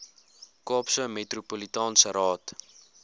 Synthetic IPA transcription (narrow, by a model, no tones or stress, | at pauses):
kɑːpsəmetrupolitɑːnsəɾɑːt